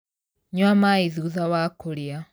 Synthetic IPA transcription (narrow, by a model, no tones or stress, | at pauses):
ɲwamaiðiuðawakolja